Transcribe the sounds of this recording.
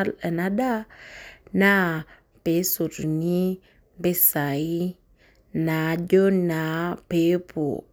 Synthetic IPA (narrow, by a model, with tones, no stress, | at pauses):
lə˨na˦da˦ | na˦ | pe˨˦su˨ɾni˦ | be˦sa˨i˦ | na˨d͡ʒo˦na˨pe˨˦pʰo̰˨